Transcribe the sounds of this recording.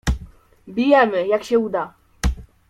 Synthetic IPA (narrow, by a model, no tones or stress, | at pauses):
bʲijɛmɘjakɕɛud̪a